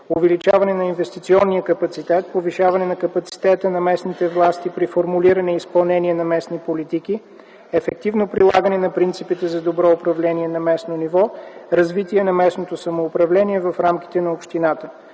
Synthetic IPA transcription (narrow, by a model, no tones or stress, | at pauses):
ovɛlit͡ʃavɐnɛnɐinvɛst̪it̪siɔnːijəkɐpɐt̪sit̪ɛt̪̚poviʃavɐnɛnɐkɐpɐt̪si̥t̪ɛt̪ənɐmɛsnit̪ɛvlˠast̪ipɾifoɾmuliɾənɛispɐlˠnɛniɛnɐmɛsnipolit̪iki | ɛfɛk̚t̪ivnopɾilˠaɡənɛnɐpɾint̪sipit̪ɛzɐd̪obɾɔʊpɾɐvlɛniɛnɐmɛsnonivɔɾɐzvit̪iɛnɐmɛsnot̪osɐmoːpɾɐvlɛniɛvɐfɾamk̟ʲi̥t̪ɛnɐopʃt̪inat̪ə